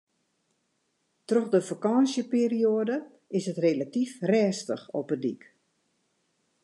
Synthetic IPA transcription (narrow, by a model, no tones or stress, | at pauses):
troxdəfakɑsjəpiːrioədə | ɪsətrelatifrɛːstəxɔpədḭk